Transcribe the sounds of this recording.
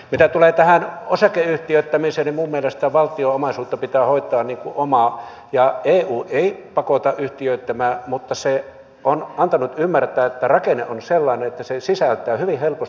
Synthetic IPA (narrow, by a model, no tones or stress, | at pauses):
mit̪æt̪uleːt̪æhænosɑkeyht̪iøˑt̪ːæmiseːnimummielest̪æʋʋɑlt̪ioomɑsuːt̪ːɑpit̪æːhoˑit̪ˑɑːnniːŋkuʔomɑ | jɑeːuːʔeˑipɑkot̪ɑʔʔyht̪iøˑit̪ːæmæːmut̪ːɑse | ʔonɑnt̪ɑnut̪ymːært̪æːet̪ːærɑkeneʔonselːɑˑineet̪ːæsesisælt̪ˑæːhyʋihelpos